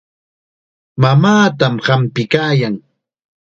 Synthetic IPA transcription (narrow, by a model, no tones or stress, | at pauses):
mamaːt̪amɢampɪkaːjaŋ